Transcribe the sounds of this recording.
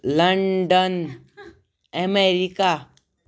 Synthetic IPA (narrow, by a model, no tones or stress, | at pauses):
ləɳɖən | emeɾika